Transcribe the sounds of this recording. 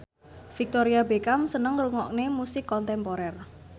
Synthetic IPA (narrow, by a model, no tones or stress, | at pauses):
fik̚t̪oɾiabekamsənəŋruŋɔk̚nemusɪkːɔnt̪ɛmpoɾɛr